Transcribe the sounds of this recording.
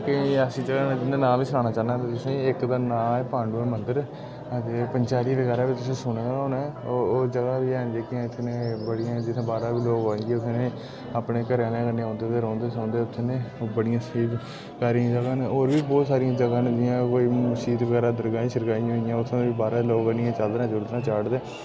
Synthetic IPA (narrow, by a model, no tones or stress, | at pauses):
kɪəsĩːd͡ʒəɡãːnːd͡ʒɪnd̪eːnaːliːsʊnaːnaːt͡ʃaːnaːt̪eːt̪ʊsẽːɪkd̪aːnaːpãːɳɖuːɛmənd̪əɾ | ət̪eːpəɲt͡ʃaːɾiːʋəɡɛːɾaːbiːt̪ʊsẽːsʊɳːaoːnaːd͡ʒəɡaːbiːɛːnd͡ʒeːkiãːɪt̪ʰːenẽːbəɽijãːd͡ʒɪt̪ʰːẽːbaːɾaːʋiːloːɡãːŋɡiʊt̪ʰːeneː | aːpneːkəɾaːlẽːkənːeːɔ̃ːnd̪eːt̪eːɾɔ̃ːnd̪eːsõːnd̪eːʊt̪ʰːeːneːbəɽɪjãːsiːb | kaːɾiãːd͡ʒəɡãːneːoːɾbiːbɔːt̪saːɾijãːd͡ʒəɡaːnd̪ɪjãːkoːiːmʊsiːd̪ʋəɡɛːɾaːd̪əɾɡaːĩːʃəɾɡaːijãɦoɪjãːʊt̪ʰːẽːeiːbaːɾaːloːkənɪãːt͡ʃəld̪ɾãːd͡ʒəld̪ãːt͡ʃaːɽd̪eː